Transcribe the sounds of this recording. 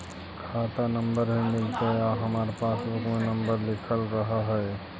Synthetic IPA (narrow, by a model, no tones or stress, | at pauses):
kʰat̪anəmbəɾɦimɪlt̪eaɦəmaːɾepaːsbʊkmenəmbəɾlɪkʰəlɾəɦaɦɛe